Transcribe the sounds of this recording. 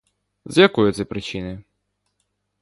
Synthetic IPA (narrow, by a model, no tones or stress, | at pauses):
zjɐkɔjʊt̪sɛpɾɪt͡ʃinɪ